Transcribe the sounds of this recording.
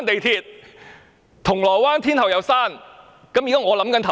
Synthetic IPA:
nt̪e˨jt̪ʰiː˧t̪̚ | t̪ʰʊ˨˩ŋlɔː˨˩jwaː˥nt̪ʰi˥nt̪ʰɐ˨˩wjɐ˨˧wsaː˥˩n | kɐ˨˥mjiː˨kaː˥ŋɔː˨˧lɐ˨˥mkɐ˨˥nt̪ʰɐ˨

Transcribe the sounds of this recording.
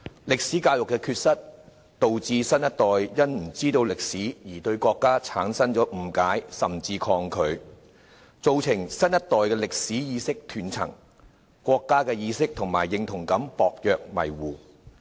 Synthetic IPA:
lɪ˨k̚siː˨˥kaː˧wjʊ˨kːɛː˧kʰyː˧t̚sɐ˥t̚ | t̪o˨wt͡siː˧sɐ˥njɐ˥t̚t̪ɔː˨jjɐ˥nm̩˨˩t͡siː˥t̪o˧wlɪ˨k̚siː˨˥jiː˨˩t̪ɵ˧ɥkʷɔː˧kːaː˥t͡sʰaː˨˥nsɐ˥nt͡ʃɔː˨˥m̩˨˩kaː˨˥jsɐ˨mt͡siː˧kʰɔː˧ŋkʰɵ˨˧ɥ | t͡so˧wt͡sʰɪ˨˩ŋsɐ˥njɐ˥t̚t̪ɔː˨˩jkɛː˧lɪ˨k̚siː˨˥jiː˨˧sɪ˥k̚t̪ʰyː˨˩nt͡sʰɐ̰˨˩ŋ | kʷɔː˧kːaː˥kɛː˧jiː˨˧sɪ˥k̚t̪ʰʊ˨˩ŋmaː˨˩jːɪ˨˧ŋt̪ʰʊ˨˩ŋkɐ˨˥mpɔː˧k̚jœː˨˧k̚mɐ̰˨˩jwuː˨˩

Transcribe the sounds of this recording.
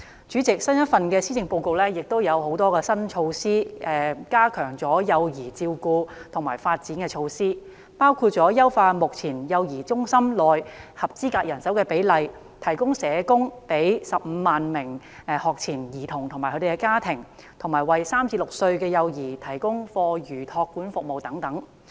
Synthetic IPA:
t͡ʃyː˨˥t͡sɪ˨k̚sɐ˥njɐ˥t̚fɐ˨nkɛː˧siː˥t͡sɪ˨˧ŋpo˧wko˧wlɛː˥jɪ˨k̚t̪o˥wjɐ˨˧who˨˥wt̪ɔː˥kɛː˧sɐ˥nt͡ʃʰo˧wsiː˥ʔɛː˨˧kaː˥kʰœː˨˩ŋt͡sɔː˨˥jɐ˧wjiː˨˩t͡siː˧wkuː˧t̪ʰʊ˨˩ŋmaː˨˩jfaː˧t̚t͡siː˨˥nkɛː˧t͡ʃʰo˧wsiː˥ | paː˥wkʰuː˧t̚t͡sɔː˨˥jɐ˥wfaː˧t̚mʊ˨k̚t͡sʰiː˨˩njɐ˧wjiː˨˩t͡sʊ˥ŋsɐ˥mlɔː˨jhɐ˨p̚t͡siː˥kaː˧k̚jɐ˨˩nsɐ˨˥wkɛː˧pe˨˥jlɐ˨j | t̪ʰɐ˨˩jkʊ˥ŋsɛː˨˧kʊ˥ŋpe˨˥jsɐ˨p̚m̩ː˨˧maː˨nmɪ˨˩ŋ˧ | hɔː˨k̚t͡sʰiː˨˩njiː˨˩t̪ʰʊ˨˩ŋt̪ʰʊ˨˩ŋmaː˨˩kʰɵ˧˥te˨˧kɛ˧kaː˥t̪ʰɪ˨˩ŋ | t̪ʰʊ˨˩maː˨˩jwɐ˨jsaː˥mt͡sʰiː˧lʊ˨k̚sɵ˧ɥkɛː˧jɐ˧wjiː˨˩t̪ʰɐ˨˩jkʊ˥ŋfɔː˧jyː˨˩t̪ʰɔː˧kːuː˨˥nfʊ˨k̚mo˨˩wt̪ɐ˨˥ŋt̪ɐ˨˥ŋ

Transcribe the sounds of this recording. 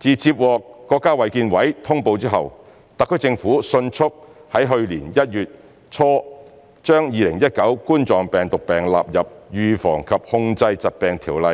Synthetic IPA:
t͡siː˨t͡siː˧p̚wɔː˨˧kːɔː˧kːaː˥wɐ˨jkiː˧nwɐ˨˥jt̪ʰʊ˥ŋpo˧wt͡siː˥ɦɐ̰˨w | t̪ɐ˨˩kʰːɵ˨˥t͡sɪ˧ŋfuː˨˥sɵ˧nt͡ʃʰʊ˥k̚hɐ˨˥jɦɵ˧ɥliː˨˩njɐ˥t̚jyː˨t̚ | t͡ʃʰɔː˥ | t͡ʃœː˥ŋjiː˨˧lɪ˨˩ŋjɐ˥t̚kɐ˨˥wkuː˥nt͡sɔː˨˩ŋpɛː˨ŋt̪ʊ˨k̚pɛː˨˩ŋla̰ː˨p̚jɐ˨p̚jyː˨˧fɔː˨˩ŋkʰɐ˨p̚hʊ˧ŋt͡sɐ˧jt͡sɐ˨t̚pɛː˨ŋt̪ʰiː˨˩wlɐ˨˧j

